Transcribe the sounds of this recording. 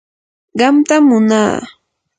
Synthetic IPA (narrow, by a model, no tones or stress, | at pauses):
ɢɑmt̪amːʊna̰ː